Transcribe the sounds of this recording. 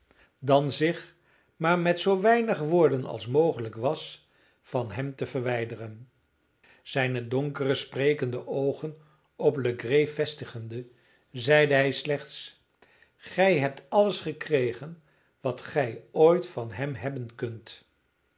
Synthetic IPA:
dɑnzɪχ | maːɹmɛtsowʋɛjnəχʋʊːɹdənɑ̰lˠsmowχələkʋɑs | fɑnɦɛmtəvərʋɛjdərən | z̥ɛjnədɔŋkərəsprejkəndəʔowχən | ɔpləɡrejfɛstəχəndə | zɛjdəɦɛjslɛχts | χɛjɦɛp̚tɑləsχəkrejχən | ʋɑtχɛjojtfɑnɦɛmɦɛbənkɵnt

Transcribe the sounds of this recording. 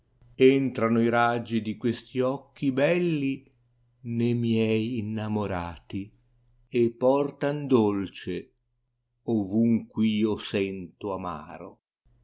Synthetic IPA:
ent̪ɾanoiɾad͡ʒːid̪ikwest̪iɔk̟ʰːibɛlːi | nemjɛjːnːamoɾaːt̪i | epːɔrt̪and̪olt͡ʃe | ovuŋkwiːosɛnt̪ʊama̰ːɾo̰

